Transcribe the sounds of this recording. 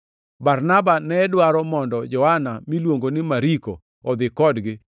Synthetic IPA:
baɾnabanɛdwaɾɔmɔndɔd͡ʒɔhanamilwoŋɡonɪmaɾiko̰ | ɔd̪ɪkɔdɡɪ

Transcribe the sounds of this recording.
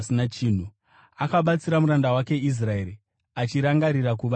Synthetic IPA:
sinat͡ʃiːn̤u | akaɓat͡siɾamuɾandawake̞is̬rae̞ɾi | at͡ʃiɾaŋɡaɾiɾakuʋa

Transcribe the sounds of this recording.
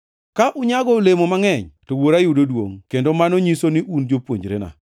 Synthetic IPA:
kaʔʊɲaɡɔlemomaŋɛɲtowoɾajudodwo̰ŋkendomanoɲisonɪʔund͡ʒopwoɲd͡ʒɾḛna̰

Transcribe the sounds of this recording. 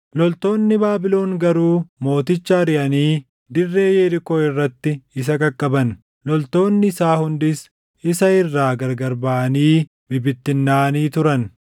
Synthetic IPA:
lɔlt̪o̞ːnːɪbaːbɪlo̞ːŋɡɐɾuːmo̞ːt̪ɪt͡ʃːɐɾɪʔɐniː | d̪ɪrːe̞ːjeɾɪkoːɪrːɐt̪ːɪɪs̬ɐkʼɐkʼːɐbɐn | lɔlt̪o̞ːnːɪsaːhʊnd̪ɪs | ɪsɐɪrːaːɡɐɾɡɐɾbɐʔɐniː | bɪbɪt̪ːɪnːaːniːt̪ʊɾɐn

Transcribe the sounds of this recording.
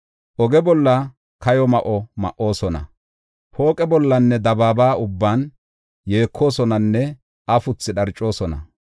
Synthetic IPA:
ʔɔɡɛbɔlːɐ | kɐjɔmɐʔɔmɐ̰ʔːo̞ːsɔnɐ̰ | ho̞ːkʼɛbɔlːɐnːɛd̪ɐbaːbaːʊbːaːn | je̞ːkʰːo̞ːsɔnɐnːɛ | ɐfʊt͡sːɪɗɐɾt͡ʃʼːo̞ːsɔnɐ̰

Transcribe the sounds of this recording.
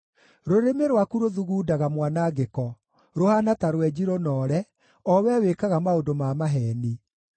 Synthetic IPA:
ɾoɾemeɾwakuɾoðuɣuːdaɣamwanaɡekɔ | ɾohanataɾwɛd͡ʑiɾonɔːɾɛ | ɔwɛwekaɣamaodomamaɦɛni

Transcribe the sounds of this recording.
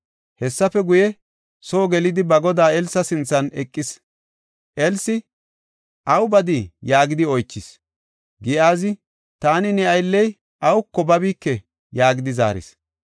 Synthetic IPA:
hɛsːɐfɛɡʊjɛ | soːɡɛlɪd̪ɪbɐɡɔd̪aːɛlsːɐsɪnt͡sːɐnɛkʼːɪs | ʔɛlsɪ | ʔɐwbɐd̪ijaːɡɪd̪ɪɔjt͡ʃːɪs | ɡɪaːzɪ | t̪aːnɪnɛɐjlːɛj | ʔɐwkːɔbɐbiːkːɛ | jaːɡɪd̪ɪza̰ːɾɪ̰s

